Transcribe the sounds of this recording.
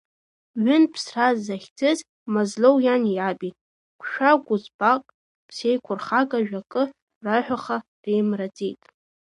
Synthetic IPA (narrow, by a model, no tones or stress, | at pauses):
ɥʏnpʰsrazːaχʲtʰɨz | mazlowjaniabitʼ | kʷʰʃʷᶣaɡʷʊzbaqʼ | pʰsejkʷʰʊrχakʼaʒᶣakʼɨ | raħʷᶣaχa | rejmrad͡zʼejtʼ